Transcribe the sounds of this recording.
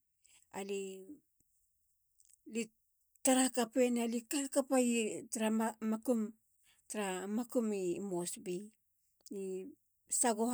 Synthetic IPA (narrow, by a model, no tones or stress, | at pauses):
a̰li | li | taɾakape̞nalikakapaitɾaamakum | tɾamakumimosbi | i | saɡoh